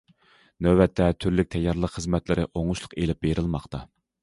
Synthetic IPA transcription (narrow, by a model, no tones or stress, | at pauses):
nøbɛt̪ʰːɛt̪ʰyɾlyk̚ʲt̪ʰɛjːɑɾlˠəqχəzmɛt̪lɪɾɪʔoŋuʃlˠʊqelɪp̚beɾʔɪlˠmɑqt̪ʰɑ